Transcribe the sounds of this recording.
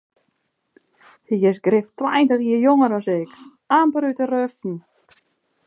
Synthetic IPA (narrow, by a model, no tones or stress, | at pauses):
hiɪsɡrɪftːwajntəxiəjoŋəɾɔsɪk | aːmpəɾytərøftn̩